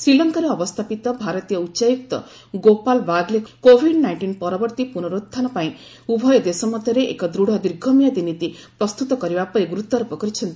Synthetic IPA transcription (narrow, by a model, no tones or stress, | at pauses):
sɾilɔŋkɔɾeɔbɔst̪ʰapit̪ɔbʱaɾɔt̪ijɔutːʃajuk̚t̪ɔ̰ | ɡopalbaɡlekkobʱiɖnajɳʈinpɔɾɔbɔɾt̪ipunɔɾud̪ʰanɔpaĩ | ubʱɔjɔd̪esɔmɔd̪ʱjɔɾeʔḛkɔd̪ɾuɽ̤ʱɔd̪iɾɡʱɔmijad̪init̪ipɾɔst̪ut̪ɔkɔɾibapɔeɡuɾut̪ːɔɾupɔkɔɾit͡ʃʰɔnt̪i